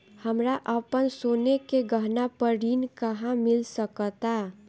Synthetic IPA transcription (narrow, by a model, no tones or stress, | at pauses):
həmɾaʔəpənsoːnekeɡəɦnapəɽinkəɦãmɪlsəkət̪a